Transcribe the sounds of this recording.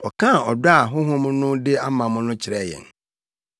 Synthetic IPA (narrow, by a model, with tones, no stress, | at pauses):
ɔ˨kʰã˦˨ɔ˨da˨ɦʊ̃˦ɦʊ̃˦m̃˦nʊ̃˦dɪ˦a˦mã˨mʊ̃˦nʊ̃˦t͡ɕʰɪ˨ɾɛ˦˨jɛ̰˨n